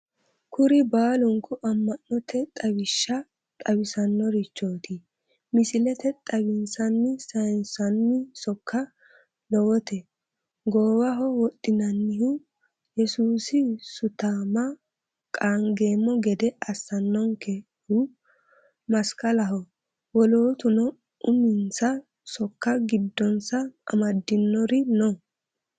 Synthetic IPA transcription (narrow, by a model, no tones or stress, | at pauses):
kʰʊɾɪbaːlʊŋkʊʔɐmːɐnːɔt̪ʰɛt̪ʼɐwɪʃːɐ | t̪ʼɐwɪsɐnːɔɾɪt͡ʃːoːt̪ɪ | mɪsɪlɛt̪ɛt̪ʼɐβɪnsɐnːɪsɐjnsɐnːɪsɔkːɐ | lɔwɔt̪ɛ | ɡoːwɐɦɔwɔtʼːɪnɐnːɪhʊ | jɛsuːsɪsʊt̪aːmɐ | kʼaːŋɡeːmːɔɡɛd̪ɛɐsːɐnːɔŋkɛ | hu | mɐskʼɐlɐɦɔ | wɔloːt̪ʊnɔ | ʔʊmɪnsɐ | sɔkːɐɡɪd̪ːɔnsɐɐ̰mɐd̪ːɪnːɔɾɪnɔ